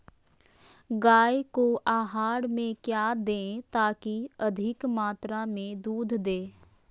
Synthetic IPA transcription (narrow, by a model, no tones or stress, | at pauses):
ɡaːekoʔaːɦaːɽmẽkjaːd̪ẽːt̪aːkiɐd̪ʱɪkmaːt̪ɾamẽd̪uːd̪ʱd̪eː